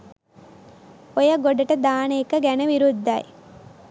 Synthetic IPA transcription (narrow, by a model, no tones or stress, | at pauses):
ojɐɡoɖɐʈəd̪aːneːkəɡænɐʋiɾud̪ːaj